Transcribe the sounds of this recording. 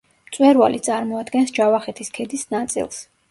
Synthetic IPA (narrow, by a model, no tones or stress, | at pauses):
t̪sʼwɛɾva̰lit̪sʼaɾmɔad̪ɡɛnsd͡ʒavaχɛt̪ʰiskʰɛd̪isnat̪sʼḭlˠs